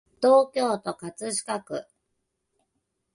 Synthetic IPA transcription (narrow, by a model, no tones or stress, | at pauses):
t̪o̞ːkʲo̞ːt̪o̞kat͡sɨɕi̥kakɯ̟̰